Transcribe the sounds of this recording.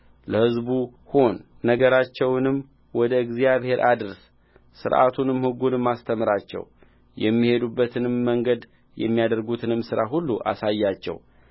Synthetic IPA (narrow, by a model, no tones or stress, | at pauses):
ləhɨzbuho̞nː | əɡəɾat͡ʃːɛwnɨm | wɔd̪əɨɡzijaβhe̞ɾʔad̪ɨɾs | sɨ̰ɾʔa̰t̪ʰunɨmhɨɡːunɨmːast̪ʰəmɨɾat͡ʃːɛ̰w | jɛmːihe̞d̪ubːət̪ʰɨnɨmːəŋɡəd̪ | jɛ̰mːijad̪əɾɡut̪ʰɨnɨmːsɨɾaɦulːuʔa̰sajːat͡ʃːɛ̰w